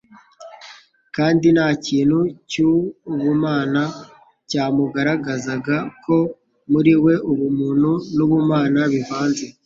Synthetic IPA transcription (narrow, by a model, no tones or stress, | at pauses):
kaːndinaːciːnhucuːβumaːna | caːmuɡaɾaɡazaɡako̞ | muɾiwe̞ʔuβumuːn̥hunuβumaːnaβivaːnze̞